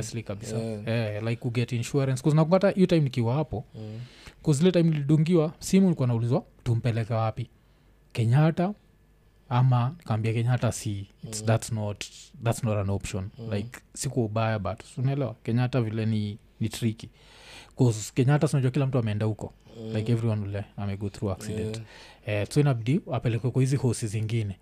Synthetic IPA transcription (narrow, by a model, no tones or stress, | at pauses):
ɛslikaɓisaɛlaikuɡɛtinʃuaɾɛnskɔznakuŋɡataʔijɔtaimnikiwahapɔ | kɔzilɛtaimuniliɗuŋɡiwam̩simunikuwanaulizwatum̩pɛlɛkɛwapi | kɛɲata | amanikaambiakɛɲatasisðatsnɔtðatsnɔtanɔpʃɔnlajksikuɔuɓajaɓatɔ̥unaɛlɛwakɛɲatavilɛni | nitɾiki | kɔzkɛɲatasinaʄuakilam̩tuamɛɛndahukɔ̰lajkɛvɾiwanulɛamɛɡɔθɾuaksidɛ̃ntɛsɔinabidiapɛlɛkwɛkɔhizihɔsiziŋɡinɛ